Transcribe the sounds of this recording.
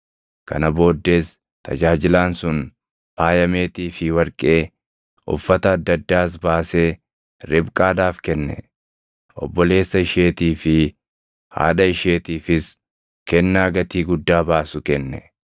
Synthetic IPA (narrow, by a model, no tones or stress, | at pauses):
kɐ̰nɐbo̞ːd̪ːe̞ːs | t̪ɐ̰d͡ʒaːd͡ʒɪlaːnsʊn | paːjɐme̞ːt̪iːfɪwɐɾkʼe̞ː | ʊ̰fːɐt̪ɐːd̪ːɐd̪ːaːsbaːse̞ː | ɾɪbkʼaːd̪aːfkɛnːɛ̰ | ʔɔ̰bːɔle̞ːsːɐɪʃe̞ːt̪iːfɪ | ha̰ːd̪ɐɪʃe̞ːt̪iːfɪs | kɛnːaːɡɐt̪iːɡʊd̪ːaːbaːsʊkɛnːɛ